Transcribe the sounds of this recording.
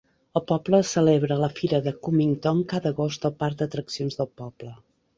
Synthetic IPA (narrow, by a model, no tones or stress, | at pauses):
əlˠpɔbləsəleβɾələfiɾəðəkumiŋt̪oŋkaðəɣost̪əlˠpaɾd̪ət̪ɾəksionzðəlˠpɔblə